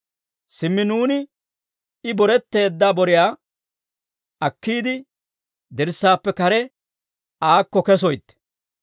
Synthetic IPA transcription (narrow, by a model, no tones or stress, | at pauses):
sɪmːɪnuːnɪ | ɪbɔɾɛt̪ːe̞ːd̪ːaːbɔɾɪjaː | ɐkːiːd̪ɪ | d̪ɛɾsːaːpːɛkɐɾɛ | aːkːɔkɛs̬ɔjt̪ːɛ̥